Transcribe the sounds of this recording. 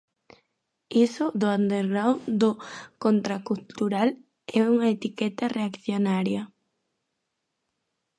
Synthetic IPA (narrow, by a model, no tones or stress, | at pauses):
isʊðʊand̪eɾɣɾawnd̪ʊkont̪ɾakult̪uɾal | ɛuŋaet̪ikɛt̪ɐreakθjonaɾjɐ